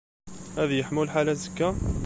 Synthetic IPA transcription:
æðjəħmulħalæzəkːæ

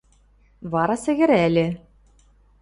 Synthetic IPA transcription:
βɑɾɑsɘ̆ɣʲɘ̆ɾælʲɘ̆

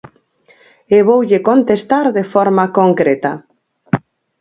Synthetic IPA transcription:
eβowʎekont̪est̪aɾðefɔɾmakoŋkɾet̪a

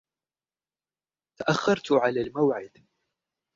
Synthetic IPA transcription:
t̪aʔaxːɑɾˤt̪ʕalaːlmawʕɪd̪

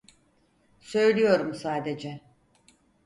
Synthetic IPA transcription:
sø̞jlʲijo̞ɾumsaːd̪e̞d͡ʒɛ

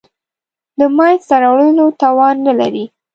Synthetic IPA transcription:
d̪əmɑjst̪aɾɑwɽəlot̪ɑwɑnːalaɾi

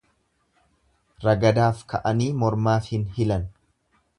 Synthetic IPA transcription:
ɾɐɡɐd̪aːfkʰɐ̰ʔɐniːmɔɾmaːfhɪnhɪlɐn

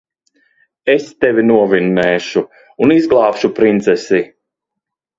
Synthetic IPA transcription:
est̪ɛvʲinuɔvinːɛːʃu | unizɡlˠaːpʃupɾint̪sɛsi

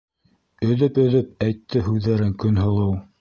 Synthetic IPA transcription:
ɵ̆ðɵpɵ̆ðɵp̚æjt̪ʰːɘhʉðːæɾɘŋkɵnɦɤ̆lˠɤw

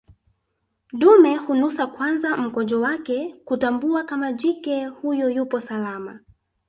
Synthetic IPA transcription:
ɗumɛhunusakwanzam̩kɔd͡ʒɔwakɛkutambuakamad͡ʒikɛhujɔjupɔsalama̰

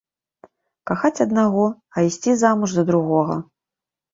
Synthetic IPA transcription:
kaxat͡sʲɐd̪naɣɔ | ɐisʲt͡sʲizamuʐzɐd̪ɾuɣɔɣɐ̰

